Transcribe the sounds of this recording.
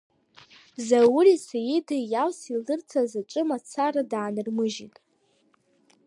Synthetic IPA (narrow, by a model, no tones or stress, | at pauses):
zawʊrisajɪdɨjawsilɨrt͡sʰazaʈ͡ʂʷʼɨmat͡sʰaɾadaːnɨrmɨʒitʼ